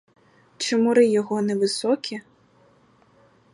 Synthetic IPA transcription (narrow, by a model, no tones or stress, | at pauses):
t͡ʃɪmʊɾɪjɔɦɔnɛʋɪsɔkʲʰi